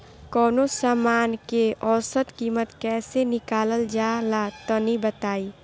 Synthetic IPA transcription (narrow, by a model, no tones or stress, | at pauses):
kɔːnosaːmaːnkeʔɔːsət̪kiːmət̪kɛːsenɪkaːləld͡ʒaːlat̪ɔnibət̪aːiː